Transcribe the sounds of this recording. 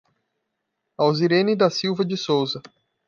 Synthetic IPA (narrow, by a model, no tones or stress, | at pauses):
awziɾẽnɪd̪ɐsiwvɐd͡ʒɪsowzɐ